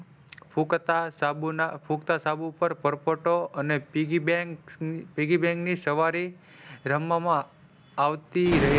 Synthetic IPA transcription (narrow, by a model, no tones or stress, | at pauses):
pʰukt̪asabnapʰukt̪asabupəɾpəɾpəʈoəneɡibkpiɡibɛ̃ŋknisəʋaɾi | ɾəmamãː | ʋt̪iɾəɦe